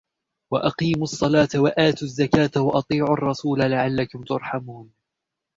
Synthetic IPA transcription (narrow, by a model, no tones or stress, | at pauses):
waʔɑqiːmʊɑsˤːɑlɑːt̪awaʔaːt̪uzːakaːt̪awɑʔɑt̪ˤiːʕʊʔɑrˤːɑsuːlalaʕalːakʊmt̪ʊɾˤħamuːn